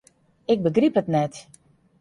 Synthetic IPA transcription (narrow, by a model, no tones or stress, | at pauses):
ɪk̚bəɡripətnɛt